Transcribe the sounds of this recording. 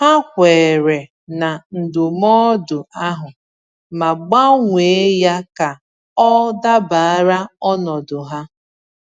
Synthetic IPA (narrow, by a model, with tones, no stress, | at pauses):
ha˦kʷeː˨ɾe˨ | na˨n̩˨dʊ˨mɔː˦dʊ˨a˦ɦʊ˨ | ma˨ɡ͡ba˦ŋʷe˨˦ja˦ka˨ | ɔ˦da˦ba˨a˦ɾa˦ɔ˦nɔ˨dʊ˨ɦa˦